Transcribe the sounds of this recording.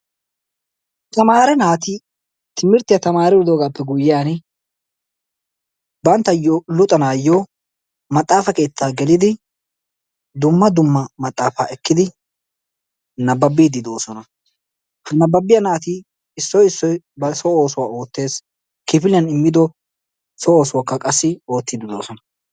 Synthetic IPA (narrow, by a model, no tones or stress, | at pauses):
t̪ɐmaːɾɛnaːt̪ɪ | t̪ʰɪmɪɾt̪ɪjɐt̪ɐmaːɾɛwɪd̪oːɡaːpːɛɡʊjːɪaːn | bɐnt̪ːɐjɔlʊt̪ʼɐnaːjːɔ | mɐt̪ʼːaːfɐke̞ːt̪ʰːaːɡɛlɪd̪ɪ | d̪ʊmːɐd̪ʊmːɐmɐt̪ʼːaːfaːɛkːɪd̪ɪ | nɐbːɐbːiːd̪ɪd̪o̞ːsɔnɐ | hɐnɐbːɐbːɪjɐnaːt̪i | ɪsːɔjɪsːɔj | bɐsɔoːsʊwaːo̞ːt̪ːe̞ːs | kɪfɪlɪjɐnɪmːɪd̪ɔ | sɔoːsʊwakːɐkʼɐsːɪo̞ːt̪ːɪd̪ɪd̪o̞̰ːsɔnɐ